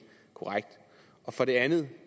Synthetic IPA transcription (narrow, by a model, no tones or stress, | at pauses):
kʰo̝ʁaɡ̥̚d̥ | ʔɒ̽fɒ̽ɾ̥e̝ænð̩ˠ